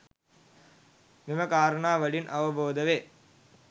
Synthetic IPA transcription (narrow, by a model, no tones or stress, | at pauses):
mɪmɐkaːɾɐɳaːʋɐɽɪnʔɐʋɐboːd̪ɐʋeː